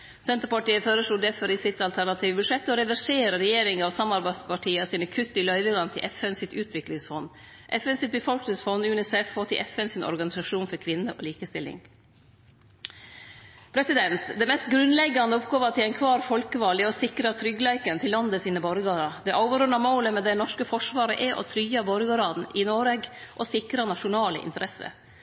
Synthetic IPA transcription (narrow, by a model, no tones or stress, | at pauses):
sɛnt̪əɾpɑʈiːəføːɾəʂluːd̪ɛɾfɔɾisɪt̪ɑlt̪ʰæɾɳɑt̪ʰiːʋbʉʂɛt̪ːɔɾɛʋæʂeːɾəɾɛjeːɾɪŋɑʋsɑmɑɾbæɪd̪spʰɑʈʰiːəsiːnəkʰʉt̪ːɪlœʏʋəŋɑnt̪ʰɪ̰ʔɛfɛnsɪt̪ʉːt̪ʰʋɪklɪŋsfɔnː | ʔɛfɛnsɪt̪̚bəfɔlknɪŋsfɔnːʉnɪsɛfoːt̪ʰɪʔɛfɛnsɪnʔɔ̰ɾɡɑnɪsɑʂuːnfɔɾkʰʋɪnːəʔɔ̰ːliːkəst̪ɪlɪ̰ŋ | pʰɾɛsɪd̪ɛnt̪d̪ɛmɛst̪ɡɾʉnlɛɡːɑnd̪əɔpɡoːʋɑt̪ʰɪlæɪnkʰʋɑːɾfɔlkəʋɑlɪɔsɪkɾɑt̪ʰɾʏɡəlæɪkənt̪ʰɪlːɑnd̪əsiːnəbɔɾɡɑːɾɑd̪ɛʔɑːʋɾʉnːɑmoːləmɛd̪ɛnɔʂkəfɔʂʋɑːɾə̰ʔɛʔɔ̰t̪ʰɾyːɑboɾɡɑɾɑːd̪n̩ʔɪnoːɾɛːɡʔɔsɪkɾɑnɑʂʊnɑːlə̰ʔɪ̰nt̪əɾɛsə̰